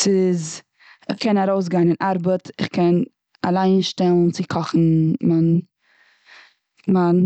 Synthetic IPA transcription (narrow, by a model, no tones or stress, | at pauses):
sɪz | χkʰɛnaɾoʊs̬ɡaɪnɪnʔaɾbətʰɪχkɛn | alˠaɪnʃtɛlˠn̩t͡sɪkʰɔχn̩man | man